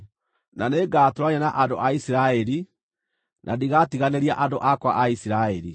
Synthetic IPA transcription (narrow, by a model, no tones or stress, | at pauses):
naneːɡaːtoɾwaɲɛnaʔandoʔaisiɾaɛɾi | nʔadiɣatiɣaneɾiaʔandoʔakwaʔaisiɾaɛɾi